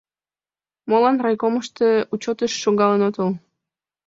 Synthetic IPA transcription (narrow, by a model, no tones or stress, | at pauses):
molɑnrɑjkoməʃt̪əut͡ɕot̪əʃːoŋɡɑlənot̪ol